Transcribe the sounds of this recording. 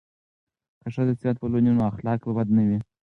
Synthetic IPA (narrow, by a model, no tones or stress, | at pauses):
kaʂad̪əsjʲɑt̪̚pəlonunoaxlɑkpəbad̪nawi